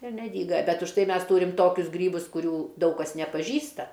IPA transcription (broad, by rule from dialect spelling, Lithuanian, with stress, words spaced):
ɪr nʲɛˈdʲiːɡɐ bʲɛtʲ ʊʃ ˈtɐɪ ˈmʲɛs ˈtuːrʲɪm ˈtoːkʲʊs ˈɡrʲiːbʊs kʊˈrʲuː ˈdɐʊk kɐs nʲɛpɐˈʒʲiːstɐ